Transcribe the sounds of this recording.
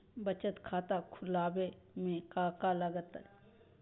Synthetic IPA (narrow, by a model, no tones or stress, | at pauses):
bət͡ʃət̪kʰaːt̪akʰʊlaːbe | mẽkaːkaləɡət̪ə